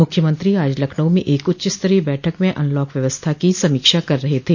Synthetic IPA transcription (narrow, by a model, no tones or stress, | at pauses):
mʊkʰjəmə̃nt̪ɾiaːd͡ʒlɐkʰɳəwmẽʔeːkʊtːʃɪst̪əɾebɛːʈʰəkmẽʔɐ̰̃nlɔːkʋjɐʋəst̪ʰakisɐmiːkʃakɐɾːɐɦet̪ʰeː